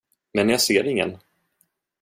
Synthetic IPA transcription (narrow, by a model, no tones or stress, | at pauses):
mɛnjaseːɾɪŋːə̰n